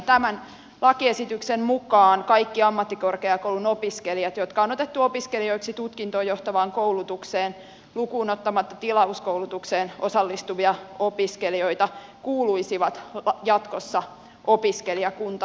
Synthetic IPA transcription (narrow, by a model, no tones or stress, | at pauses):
t̪æmæn | lɑkiesit̪yksemmukɑːnkɑikːiɑmːɑt̪ːikorkeɑkowlunopiskeliɑt̪jot̪kɑono̞t̪et̪ːuopiskelio̞iksit̪ut̪kint̪oːjoht̪ɑʋɑːŋkoulut̪ukseːn | lukuːnot̪ːɑmɑt̪ːɑt̪ilɑuskoulut̪ukseːnʔosɑlːist̪uʋiɑopiskelioit̪ɑkuːluisiʋɑt̪jɑt̪kosːɑ | ʔopiskeliɑkunt̪ɑ